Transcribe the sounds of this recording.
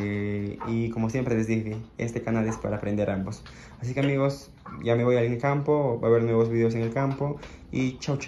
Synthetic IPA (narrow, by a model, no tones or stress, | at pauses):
iko̞mo̞sje̞mpɾe̞le̞zðixeḛst̪e̞kanalespa̰ɾaːpɾend̪e̞ɾʔambo̞s | asike̞amiɣo̞s | ɟ͡ʝame̞βo̞jaleŋelkampo̞baβe̞ɾnwe̞βozβiðeos̬eŋelkampo̞ | it͡ʃawt͡ʃ